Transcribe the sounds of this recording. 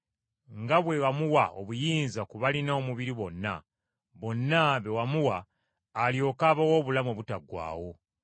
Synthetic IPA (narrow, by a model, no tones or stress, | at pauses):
ŋɡaβwe̞wamuwao̰βujiːnzakuβalinoːmuβiɾiβo̞nːa̰ | βo̞nːaβe̞wamuwaː | ljo̞ːkaːβawo̞ːβulamoβutaɡwa̰ːwo̞